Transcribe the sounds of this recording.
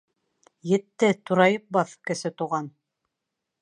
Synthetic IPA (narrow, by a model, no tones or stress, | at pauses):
jɘ̆t̪ːɘt̪uɾɑjɤp̚bɑθkɘ̆sɘt̪uʁɑn